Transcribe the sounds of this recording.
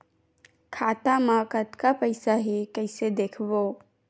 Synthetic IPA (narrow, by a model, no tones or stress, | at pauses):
kʰaːt̪amãkət̪kapəɪsaɦekəɪsed̪eːkʰboː